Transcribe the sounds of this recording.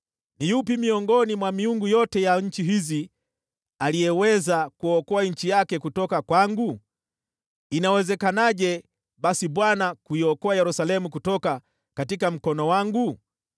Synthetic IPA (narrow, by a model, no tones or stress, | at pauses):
nijupimiɔŋɡɔnimwamiuŋɡujɔtɛjaɲ̩t͡ʃiɦizi | alijɛwɛzakuɔkɔaɲ̩t͡ʃijakɛkutɔkakwaŋɡu | inawɛzɛkanaʄɛ | ɓasiɓwanakuiɔkɔajɛɾusalɛmukutɔka | katikam̩kɔnɔwaŋɡu